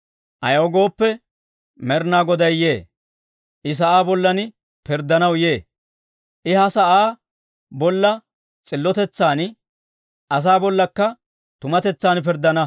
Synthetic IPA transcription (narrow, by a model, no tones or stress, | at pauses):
ʔɐjoɡo̞ːpːɛ | mɛɾnaːɡɔd̪ɐjje̞ː | ʔɪs̬ɐʔaːbɔlːɐn | pɪɾd̪ːɐnɐwje̞ː | ʔɪhɐsɐʔaː | bɔlːɐ | t͡sʼɪlːɔt̪ɛt͡sːaːn | ʔɐs̬aːbɔlːɐkːɐ | t̪ʊmɐt̪ɛt͡sːaːnpɪɾd̪ːɐnɐ